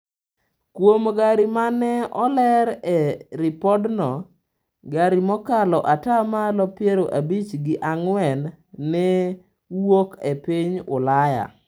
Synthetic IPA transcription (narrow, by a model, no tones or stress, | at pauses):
kwomɡaɾimanɛɔlɛɾɛɾipɔdnɔ | ɡaɾimɔkalɔʔatamalɔpjeɾoʔabit͡ʃɡɪʔaŋwɛnː | ɛ | wokepiɲʊ̰laja̰